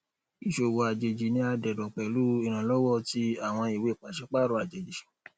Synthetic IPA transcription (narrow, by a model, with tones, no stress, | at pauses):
i˨ʃo˨wo˨˧a˨d͡ʒe˨d͡ʒi˨nĩ˧˦a˧dɛ˨dɔ˨k͡pɛ˨lu˦i˧˨ɾ̃ã˨˦lɔ˦wɔ˦ti˧a˦˨w̃ɔ̃˧i˨we˨˦˨k͡pa˨ʃɛ˨˦k͡pa˦˨ɾo˧˦a˨d͡ʒe˨d͡ʒi˨